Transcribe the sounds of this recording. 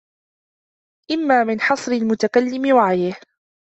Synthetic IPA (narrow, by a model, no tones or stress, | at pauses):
ʔɪmːaːmɪnħɑsˤɾɪlmʊt̪akalːɪmɪwaʕajɪh